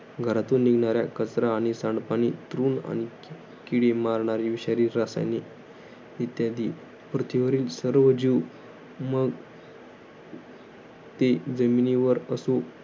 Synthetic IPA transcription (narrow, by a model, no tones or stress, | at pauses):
ɡʱəɾat̪uːnːiɡɳaɾjakət͡sɾaːɽ̃isaɳɖpaɽ̃it̪ɾuːɳa̰ñi | kiɽemaɾɳaɾiʋiɕaɾiɾasa̰jne | it̪jad̪iː | pɾut̪ʰiʋəɾiːlsəɾʋəd͡ʑiw | məɡ | t̪ed͡zəminiʋəɾəsu